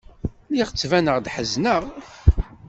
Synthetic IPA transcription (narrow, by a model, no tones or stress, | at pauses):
liʁt͡sːvænəʁd̪ħəznəʁ